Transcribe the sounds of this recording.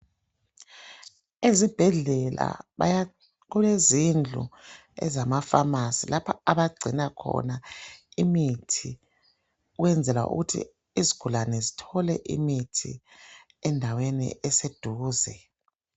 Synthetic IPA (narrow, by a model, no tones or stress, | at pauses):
ezib̥ʱɛɮɛla̰βaj | ɣulezind͡ɮʱṵ | ɛ̰zamafamasilapʰaaβaɡ͡ǀʱinakʰɔ̰naimitʰi | uɣwɛnd͡zʱɛla̰ʔṵɣutʰḭ | iziɡ̥ʱulanɛzitʰɔlɛʔḭmitʰḭ | ɛndʱawenḭʔɛsed̥ʱuːzɛ